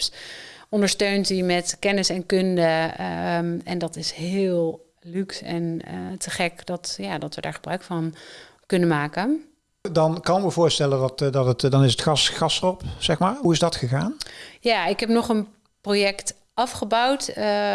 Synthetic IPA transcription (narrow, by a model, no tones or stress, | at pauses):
sɔndəɹstøɥntimɛtkɛnɪsɛnkɵndə | ɛndɑtɪsɦɪːlˠ | lyksɛ̰ntəχɛkdɑtjaːdɑtʋədaːɹχəbrœɥkfɑn | kɵnənmaːkən | dɑnkɑnʋəvʊːɹstɛləndɑtdɑtətdɑnɪsətxɑsxɑsrɔpsɛxmaːɹɦuɪzdɑtxəɣaːnjaːɪkɦɛpnɔχən | projɛkt | ʔɑfχəbawt